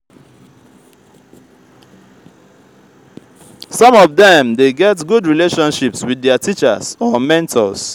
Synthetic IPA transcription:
sɔ̃mɔvdɛ̃mdeɡɛtɡudɹileʃɔ̃nʃipswiðːɛətʰit͡ʃə̰sɔmɛ̃ntʰɔ̰s

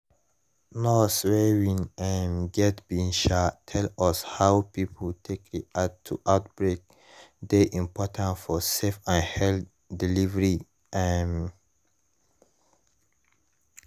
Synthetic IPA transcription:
noswewĩŋãnɡɛtbĩnʃatʰɛlɔshawpipʰəltʰek̚diʔatʰːṵʔawt̚b̥ɹek̚ | d̪eʔĩmpʰɔtʰãnfɔsefãnhɛl | dilivəɹi | ʔan

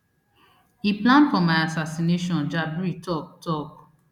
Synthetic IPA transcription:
iplãnfɔmaɪasasineʃɔ̃nd͡ʒabɹitɔk̚tɔk

